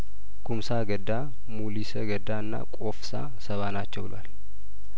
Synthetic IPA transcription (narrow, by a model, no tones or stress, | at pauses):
kʰumsaɡəd̪a | mulisəɡəd̪aɨnːa̰kʼofsa̰ | səβanat͡ʃːɛwbɨlwa̰l